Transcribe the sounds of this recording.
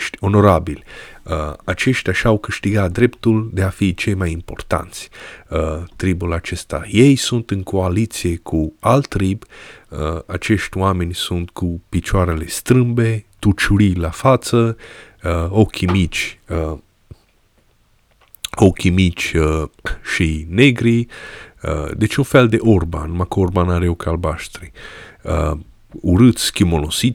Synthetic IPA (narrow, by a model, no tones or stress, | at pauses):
ʃt̪ʲo̞no̞ɾabilʲəat͡ʃe̞ʃt̪ʲaʃawkɨʃt̪iɡat̪̚d̪ɾept̪uld̪e̞afit͡ʃejmajimpo̞rt̪a̰nt̪sʲ | t̪ɾibulat͡ʃe̞st̪a̰je̞jsunt̪ɨnkʰo̞alit̪sije̞kʰualt̪ːɾib | at͡ʃe̞ʃt̪ʲwame̞nʲsunt̪kupit͡ʃoaɾele̞st̪ɾɨmbe̞t̪ut͡ʃuɾilafat̪sə | okʲʰimit͡ʃʲə | okʲimit͡ʃʲəʃijneɡɾi | ə̰d̪et͡ʃʲunfe̞ld̪e̞ʔorba̰nmakorbanaɾeokalbaʃt̪ɾiə | uɾɨt̪sʲkʲimolosi